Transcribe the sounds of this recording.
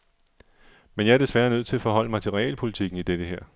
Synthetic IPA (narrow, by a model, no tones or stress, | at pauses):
menjɑ̈æɐd̥e̝sʋæːɐnøð̰ˠt͡sʰe̝ɐfɒ̽ɦɒ̽l̰əmɑɪt͡sʰe̝lʁḭːlpʰo̝lit͡sʰiɡ̥n̩id̥ed̥əɦeɐ̰